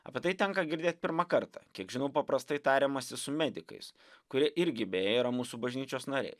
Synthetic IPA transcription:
ɐ̰pʲɛt̪ɐɪt̪ʲɛŋkɐɡʲɪɾʲd̪ʲeːt̪̚ʲpʲɪɾmɐkɐɾt̪ɑ̰ːkʲiɛkʒʲɪnɐʊpɐpɾɐst̪ɐɪt̪ɑːɾʲɛːmɐsʲɪsʊmʲɛd̪ʲɪkɐ̰ɪs | kʊɾʲiɛʔɪɾʲɡʲɪbʲɛejːiɾɐmuːsuːbɐʒʲnʲiːt͡ʃʲoːsnɐɾʲɛ̰ɪ

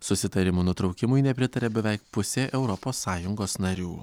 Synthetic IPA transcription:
sʊsʲɪt̪ɐɾʲɪmuːnʊt̪ɾɒʊkʲɪmʊɪnʲɛpʲɾʲɪt̪ɐɾʲɛbʲɛʋʲɛɪk̚pʊsʲeːʔɛʊɾɔpoːsːɑːjʊŋɡoːsnɐɾʲṵː

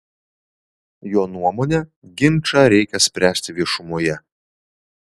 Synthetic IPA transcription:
joːnuɔmoːnʲɛ | ɡʲɪnʲˑt͡ʃɑɾʲɛɪkʲɛsʲpʲɾʲæːsʲt̪ʲɪʋʲiɛʃʊmuɔjɛ

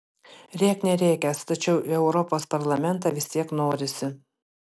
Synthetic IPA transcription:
ɾʲiɛknʲɛɾʲɛːkʲɛst̪ɐt͡ʃʲɛʊʔɛʊɾɔpoːspɐɾlˠɐmʲɛnˑt̪̬ɑʋʲɪsʲt̪ʲiɛknoːɾʲɪsʲɪ

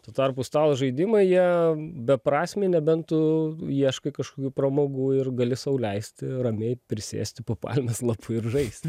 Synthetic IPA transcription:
t̪uːt̪ɐrpust̪ɑːlˠʒɐɪd̪ʲɪmɐɪjiɛbʲɛpɾɑːsʲmʲeɪnʲɛbʲɛnt̪ʊiɛʃkɐɪkɐʃkoːkʲuːpɾɐmoːɡuːɪrɡɐlʲɪsɐʊlʲɛɪsʲt̪ʲɪrɐmʲeɪpʲɾʲɪsʲḛːsʲt̪ʲɪpoːpɑ̰lʲmʲɛslˠɐpʰʊɪɾʒɐɪsʲt̪ʲ

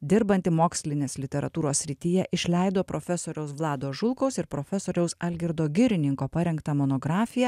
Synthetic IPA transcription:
d̪ʲɪɾbɐnʲt̪ʲɪmoːksʲlʲɪnʲeːslʲɪt̪ʲɛɾɐ̰t̪uːɾoːsʲːɾʲɪt̪ʲijɛʔɪʃʲlʲɛˑɪd̪oːpɾʔoːfʲɛsoːɾʲɛʊsʋlˠɑːd̪oːʒʊlˠkɐʊsɪɾpɾofʲɛsoːɾʲɛʊsɐlʲɡʲɪɾd̪oːɡʲɪɾʲɪnʲɪŋkoːpɐɾʲɛŋkt̪ɐmoːnoːɡɾɑːfʲɪjɛ

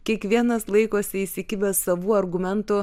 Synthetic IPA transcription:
kʲiɛkʋʲiɛnɐslˠɐɪkoːsʲɪisʲɪkʲɪbʲɛsɐʋuːɐɾɡʊmʲɛnt̪ʊ

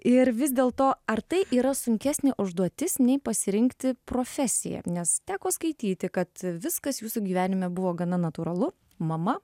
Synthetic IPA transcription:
ɪɾʋʲɪzd̪ʲeːlˠt̪oːɐrt̪ɐɪʔiːɾɐsʊŋʲkʲæːsʲnʲɪʔʊʒd̪uɔt̪ʲɪsnʲɛɪpɐsʲɪɾʲɪŋkt̪ʲɪpɾoːfʲæsʲɪjɛ̰nʲɛst̪ʲæːkoːskɐɪt̪ʲiːt̪ʲɪkɐt̪ʋʲɪskɐsjuːsuɡʲiːʋʲæːnʲɪmʲɛbʊʋoːɡɐnɐnɐt̪uːɾɐlˠʊ | mɐmɐ

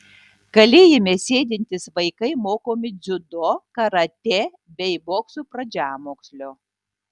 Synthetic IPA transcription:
ɡ̥ɐlʲeːjemʲesʲeːd̪ʲɪnʲt̪ʲɪsʋɐɪkɐɪmoːkoːmʲɪd̪zʲʊd̪oːkɐɾɐt̪ʲe | bʲɛɪboːksuːpɾɐd͡ʒʲæːmoːksʲlʲoː

